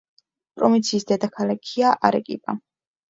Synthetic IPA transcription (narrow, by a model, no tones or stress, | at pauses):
pʼɾɔvint̪sʰiːsd̪ɛd̪akʰalakʰiaʔaɾɛkʼḭpʼa̰